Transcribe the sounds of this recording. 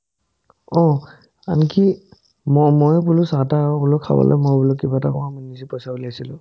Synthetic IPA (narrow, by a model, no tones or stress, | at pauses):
ɔ | a̰nki | mɔmɔjpulʊsatabʊlɔkʰa̰bɔ̰lʔɔ̰mɔjbulɔkːibatakɔwamɔnisipɔjsabulasilʊ̃